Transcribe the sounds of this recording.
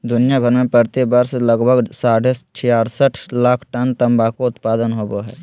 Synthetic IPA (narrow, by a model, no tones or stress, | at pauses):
d̪ʊnɪjabʱəɾmẽpəɾt̪ibəɾsləɡbʱəɡsaːɽet͡ʃʰɪjaːɾsəʈʰlaːkʰʈənt̪ə̃mbakoʊt̪paːd̪ənɦoboɦɛː